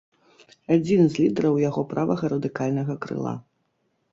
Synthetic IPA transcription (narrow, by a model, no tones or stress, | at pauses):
ad͡zʲinzlʲid̪ɛɾɐwjaɣɔpɾavɐɣɐɾɐd̪ɨkalʲnɐɣɐkɾɨ̰lˠa̰